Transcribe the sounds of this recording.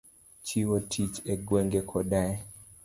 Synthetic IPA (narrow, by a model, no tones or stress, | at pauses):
t͡ʃiwotʰit͡ʃeɡweŋɡekʰɔdaɛ